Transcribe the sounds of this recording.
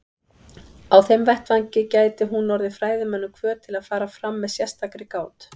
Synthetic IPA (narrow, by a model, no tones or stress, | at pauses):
awθejmvɛht̪vaɲcɪcaːjt̪ɪɦunːɔɾðɪfɾaːjðɪmɛnːʏkʰvœːɾ̥t̪ʰɪlaðfaːɾafɾamːɛðsjɛst̪akɾɪkaːwt̪